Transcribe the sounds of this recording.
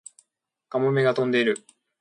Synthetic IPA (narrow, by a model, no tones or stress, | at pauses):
kamome̞ɡat̪õ̞nd̪e̞iɾɯ̟